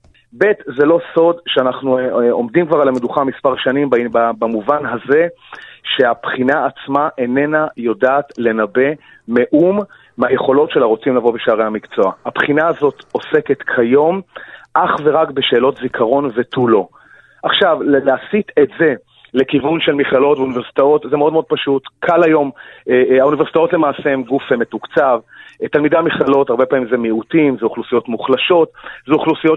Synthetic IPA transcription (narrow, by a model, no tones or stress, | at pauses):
be̞tzelo̞so̞dʃeanaχnuomdimkvaʁalameduχamispaʁʃanimbabamuvanɦaze̞ʃe̞apχinaːt͡smaʔene̞najo̞daːtle̞nabe̞ | me̞ʔumː | aje̞χo̞lo̞tʃe̞laʁo̞t͡simlavo̞beʃaaʁehamikt͡so̞ahapχinaːzo̞to̞se̞ket̪kʰajo̞mʔaχve̞ʁakbeʃe̞ːlo̞tzikʰaʁo̞nve̞tʰulo̞ | ʔaχʃavlleasitetze | lekivunʃelmiχlalo̞tvuniveʁsi̥tao̞tzemeo̞d̪meod̪̚paʃutkʰalajo̞meauniveʁsi̥t̪aotle̞maːsehemɡufhemetukt͡savtalmidamiχlalo̞taʁbe̞paːmimzemiutimzeuχlusijo̞tmuχlaʃo̞tzeuχlusijo